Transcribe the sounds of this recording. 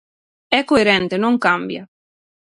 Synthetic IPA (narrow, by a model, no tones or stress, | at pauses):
ɛkːoeɾɛnt̪enoŋkambja̰